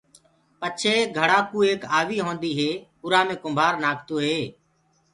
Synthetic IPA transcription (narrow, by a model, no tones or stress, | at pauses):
pət͡ʃʰeːɡʱəɽaːkuːeːkaːʋiːɦõːnd̪iːɦeː | ʊɾaːmẽːkʊmbʱaːɾnaːkʰt̪oːɦeː